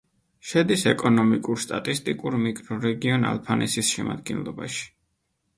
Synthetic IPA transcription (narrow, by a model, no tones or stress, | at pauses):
ʃɛd̪isɛkʼɔnɔmikʼuɾst̪ʼat̪ʼist̪ʼikʼuɾmikʼɾɔɾɛɡiɔna̰lˠpʰanʔɛsisʃɛma̰d̪ɡɛnlˠɔbaʃi̥